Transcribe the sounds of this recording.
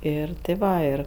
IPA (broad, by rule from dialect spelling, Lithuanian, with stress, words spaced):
ˈɪr tʲɪ ˈʋɐ ˈɪr